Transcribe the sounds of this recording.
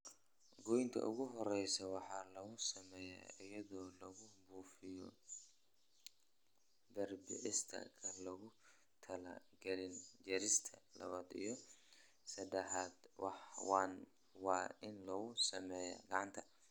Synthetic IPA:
ɡɔjŋk̪ʰɐ̰ʔʊɣʊɦɔɾɛjsɐwɑħɑːlɐɣʊsɐmɛːja̰ɪjɐðɔːlɐɣʊbuːfɪjɔ̰ | bɛrbɪ̰ʕɪst̪ʰɐ̰kʰɐlɐɣʊ | t̪ʰɐlɐ̰ | ɡɛlɪnd͡ʒɛɾɪst̪ʰɐlɐ̰βaːd̪ḭjɞ | sɐd̪ɛħaːd̪wɑħwɑn | wɑːɪnlɔɣʊsɐmɛːja̰ɡɑʕɑnt̪ʰɐ̥

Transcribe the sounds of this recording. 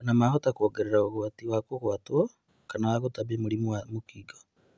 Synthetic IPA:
namahotakwoːɡeɾeɾaoβwatiwakokwatwɔ | kanawaɣotaβemuɾimuamukiɡo̥

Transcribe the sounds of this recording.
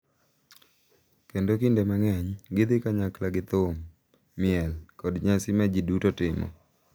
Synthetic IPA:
kendokindemaŋɛɲɡɪd̪ɪkaɲaklaɡɪt̪ʊmː | ɪɛlkɔdɲasɪmad͡ʒidutotɪmɔ̰

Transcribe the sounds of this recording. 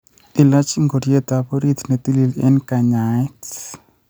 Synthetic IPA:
ilat͡ʃŋɡoɾjet̪aboɾit̪net̪ililɛnkaɲajt

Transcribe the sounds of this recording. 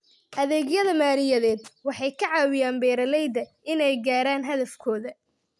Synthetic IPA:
ʔɐðɛːɡjɐðɐmaːɾɪjɐðɛːd̪wɑħɑjkʰɐʕɑːwɪjaːmbɛːɾɐlɛjd̪ɐʔɪnɛjɡaːɾaːnɦɐðɐfkʰɔːðɐ

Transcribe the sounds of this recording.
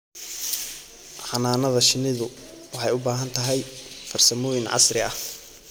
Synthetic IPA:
ħɑnaːnɐðɐʃɪnɪðʊ | wɑħɑjʊbaːɦɐnt̪ʰɐɦɛjfɐrsɐmɔːjɪnʕɑ̰srɪɐh

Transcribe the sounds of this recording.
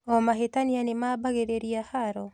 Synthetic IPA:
ɔmaɦetanianemaːbaɣeɾeɾiahaɾɔ

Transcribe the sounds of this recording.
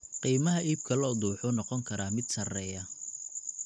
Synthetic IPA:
qiːmɐɦɐʔiːb̚kʰɐlɔːd̪uːħʊnɔqɔŋkʰɐɾʔaːmɪd̪sɐrɛːjɐ

